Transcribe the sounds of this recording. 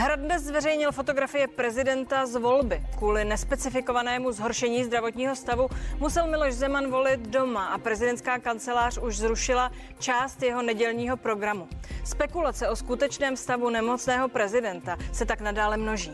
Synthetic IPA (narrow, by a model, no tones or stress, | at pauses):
ɦɾadnɛszvɛrɛjɲɪlfo̞t̪o̞ɡɾafɪjɛpɾɛzɪdɛnt̪azvo̞lbɪkvuːlɪnɛspɛt͡sɪfɪko̞vanɛːmuzɦo̞ɾʃɛɲiːzd̪ɾavo̞t̪ɲiːɦo̞st̪avumusɛlmɪlo̞ʃzɛmanvo̞lɪt̪do̞maʔapɾɛzɪdɛnt̪skaːkant͡sɛlaːr̝̥uʒzɾuʃɪla | t͡ʃaːst̪jɛɦo̞nɛɟɛlɲiːɦo̞pɾo̞ɡɾamuspɛkulat͡sɛʔo̞skut̪ɛt͡ʃnɛːmfst̪avunɛmo̞t͡snɛːɦo̞pɾɛzɪdɛnt̪asɛt̪aknadaːlɛmno̞ʒiː